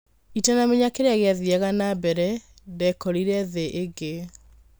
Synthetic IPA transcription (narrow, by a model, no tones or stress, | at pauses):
itanameɲakeɾeaɣeaðiɛɣanabɛɾɛ | dɛkɔɾiɾɛðeʔeɡe